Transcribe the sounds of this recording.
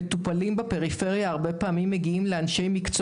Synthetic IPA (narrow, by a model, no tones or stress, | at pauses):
t̪upalimbepe̞ʁife̞ʁjaːʁbe̞paːmimːe̞ɡiimle̞anʃe̞jmikt͡s